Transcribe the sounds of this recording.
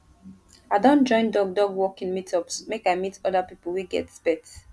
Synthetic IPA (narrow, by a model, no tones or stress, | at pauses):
aɪdõntd͡ʒɔ̃ɪ̃ndɔɡ̚dɔɡwɔkĩnmitʰɔpsmekaɪmitɔdapipəl̩wiɡɛ̰tspɛt